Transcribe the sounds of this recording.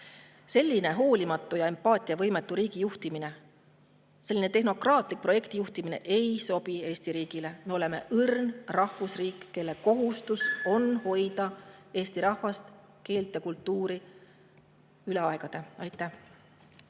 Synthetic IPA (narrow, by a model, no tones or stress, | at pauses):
se̞lʲːine̞ɦo̞ːlʲimɑt̪ːˑujɑe̞mpːɑːt̪ʲˑiɑvɤjmet̪ːˑuɾiːɡ̥ijuht̪imine̞ | se̞lːinet̪e̞ɦno̞krɑːt̪ˑlik̚pro̞jekt̪ijuht̪imine̞̰ʔe̞jso̞b̥ie̞ːsʲt̪iɾiːɡ̥ile̞meo̞le̞me̞̰ʔɯrnrɑhvusriːkːe̞lːe̞ko̞ɦust̪uso̞nho̞jd̪ɑe̞ːst̪iɾɑhvɑst̪ | ke̞ːlt̪jɑkult̪ːuːɾi | yle̞ɑe̞ɡ̥ɑd̪̥e̞ɑjt̪ːˑæh